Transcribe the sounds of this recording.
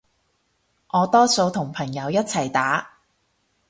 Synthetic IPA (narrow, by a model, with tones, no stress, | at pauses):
ʔɔː˨˧t̪ɔː˥so˧wt̪ʰʊ˨˩ŋpʰɐ˨˩ŋjɐ˨˧wjɐ˥t̚t͡sʰɐ˨˩jt̪aː˨˥